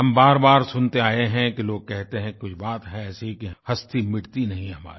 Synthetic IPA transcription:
ɦɐmbaːɾbaːɾsʊnt̪eaːeɦɛ̃kiloːɡ̚kɛɦt̪eɦɛ̃kʊt͡ʃʰbaːt̪ɦɛ̃ɛːsikiɦhɐst̪imɪɽt̪inɐɦĩɦɐma̰ːɾi

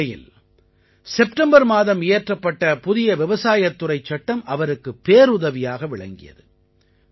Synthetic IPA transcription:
ɐjɪ̰l | sɛpʈɐmbɐɾmaːðɐmeːʈrɐpːɐʈːɐpʊðɪjɐʋɪʋɐsaːjɐt̪ːʊrɐɪt͡ʃːɐʈːɐmʔɐʋɐɾɯkːɯpːeːɾʊðɐʋɪjaːɣɐʋɪɭɐ̰ŋɡɪ̰jɐ̰ðɯ

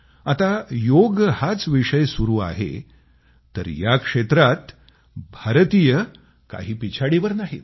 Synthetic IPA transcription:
at̪ajoɡhat͡sʋiʂəjsuɾuːa̰ɦḛ | t̪əɾjakʂet̪ɾat̪ | bʱaɾt̪ijə | ka̰ɦiːpit͡ɕʰaɽiʋəɾnaɦḭ

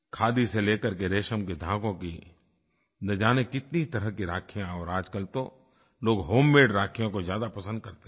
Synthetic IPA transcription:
kʰaːd̪iseleːkəɾkeɾeːʃəmked̪ʱãːkõki | d̪ɐd͡ʒaːnekɪt̪niit̪ɐɾəɦkiɾaːkʰijãɔːɾaːd͡ʒkəlt̪o | loːɡɦoːmːeːɖɾaːkʰijõkozjaːd̪apɐsə̃nd̪̚kɐɾt̪e

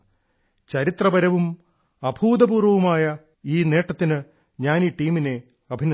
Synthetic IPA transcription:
t͡ɕɐɾit̪rɐbɐɾɐʋum | ɐbʱuːd̪ɐbuːrʋɐʋumaːjɐ | iːne̞ːʈːɐt̪ːinɨ | ɲaːniːʈiːmine̞ | ɐbʱinɐ

